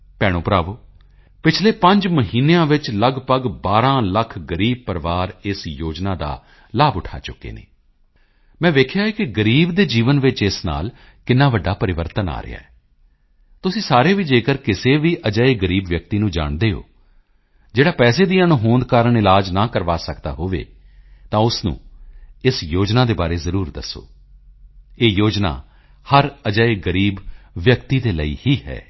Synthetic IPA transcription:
pɛːɽ̃õːpɾaːʋoː | pɪt͡ʃʰleːpə̃ɲd͡ʒməɦiːneãːʋɪt͡ʃləɡpəɡbaːɾãːləkʰɡəɾiːb̚pəɾʋaːɾɪsjoːd͡ʒnaːd̪a̰ː | laːbʊʈʰa̰ːt͡ʃʊkːḛːnḛː | mɛ̃ːʋ̪eːkʰjaːeːkɪɡəɾiːbd̪eːd͡ʒiːʋənʋɪt͡ʃɪsna̰ːl | kɪnːãːʋəɖːaːpəɾɪʋəɾt̪əna̰ːɾɪ̰ja̰ːɛː | t̪ʊsĩːsaːɾeːʋiːd͡ʒeːkəɾkɪseːʋiːʔəd͡ʒəeɡəɾiːbʋjək̚t̪iːnũːd͡ʒa̰ːɳd̪eːɦo̰ː | d͡ʒeːɽaːpɛːseːd̪iːãːnũːɦõːnd̪̚kaːɾəɳɪlaːd͡ʒnaːkəɾʋaːsəkd̪a̰ːɦoːʋḛː | t̪ãːʊsnṵ̃ːɪsjoːd͡ʒnaːd̪eːbaːɾeːzəɾuːɾd̪ə̰sːo̰ː | eːjoːd͡ʒna̰ː | həɾəd͡ʒəeɡəɾiːbʋjəkt̪iːd̪eːlə̰ḭːhiːɦɛ̰ː

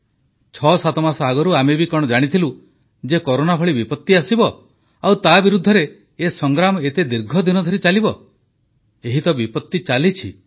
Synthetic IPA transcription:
t͡ʃʰɔsat̪ɔmasɔaɡɔɾuamebikɔɽ̃ɔd͡ʒaɽ̃it̪ʰilu | d͡ʒekɔɾonabʰʱɔɭibipɔt̪ːiasibɔ | awt̪abiɾud̪ʱːɔɾeː | sɔŋɡɾamɔet̪ed̪iɾɡʱɔd̪inɔd̪ʱɔɾit͡ʃalibɔ | eɦit̪ɔbipɔt̪ːit͡ʃalit͡ʃʰi

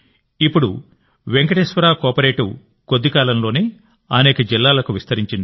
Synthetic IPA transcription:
ipːuɽṵ | ʋeŋkɐʈeːsʋɐɾaːkɔːpɐɾeːʈu | ko̞d̪ːikaːlɐmlo̞ːneː | ɐnɛːkɐd͡ʒilːaːlɐkuʋist̪ɐɾiɲt͡ʃind̪i

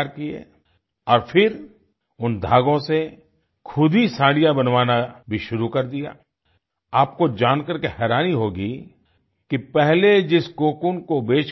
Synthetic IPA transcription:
ɾkiḛː | ɔːɾfʰɪɾ | ʊnd̪ʱaːɡõse | kʰʊd̪ʱisãːɽijabɐnʋaːnabʱiʃʊɾukɐɾd̪ija̰ː | aːp̚kod͡ʒaːnkəɾkehɛːɾaːniɦoːɡi | kipɛɦled͡ʒɪskoːkunkobeːt͡ʃ

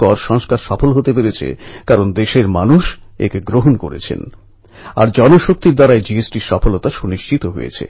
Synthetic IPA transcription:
ɔɾʃɔŋskaɾʃɔfolɦot̪epeɾet͡ɕʰḛkaɾond̪eʃeɾmanuʃḛkeɡɾoɦonkoɾḛt͡ɕʰḛn | a̰ɾd͡ʑɔnoʃok̚t̪iɾd̪aɾaed͡ʑiesʈiʃɔfolot̪aʃuniʃt͡ɕit̪oɦo̰jḛt͡ɕʰḛ

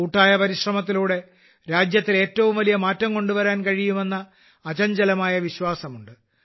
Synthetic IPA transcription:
uːʈːaːjɐpɐɾiɕrɐmɐt̪̬ːiluːɽe̞ | ɾaːd͡ʑjɐt̪ːile̞ːtːɐʋumʋɐlijɐmaːtːɐmko̞ɳɖuʋɐɾaːnkɐɻijume̞nːɐː | t͡ɕɐɲd͡ʑɐlɐmaːjɐʋiɕwaːsɐmuɳɖɨ

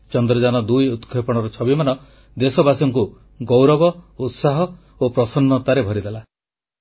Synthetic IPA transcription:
t͡ʃɔnd̪ɾɔd͡ʒanɔd̪ujut̪kʰepɔɽ̃ɔɾɔt͡ʃʰɔbimanɔ | d̪esɔbasɔŋk̬u | ɡowɾɔbɔut̪saɦɔ | opɾɔsɔnːɔt̪aɾebʱɔɾid̪ela

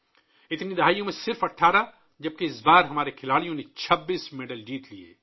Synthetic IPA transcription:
ɪt̪nid̪ɐɦaːjõmẽsɪɾfɐʈʰaːɾa | d͡ʒɐb̚keɪsbaːɾɦɐmaːɾekʰɪlaːɽijõnet͡ʃʰɐbːiːsmeːɖəld͡ʒiːt̪liḛː

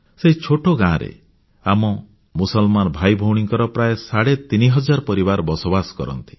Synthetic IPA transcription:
seɦit͡ʃʰoʈoɡãːɾḛ | amɔ | musɔlmanɔbʱajbʱowɽ̃iŋkɔɾɔpɾajesaɽet̪iniɦɔd͡ʒaɾpɔɾibaɾbɔsobasɔ̥kɔ̰ɾɔ̰nt̪i̥

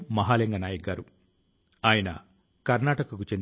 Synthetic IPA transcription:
mɐɦaːleŋɡɐnaːjɐɡaːɾu | aːjɐnɐ̰ | kɐɾnaːʈɐkɐkut͡ʃen

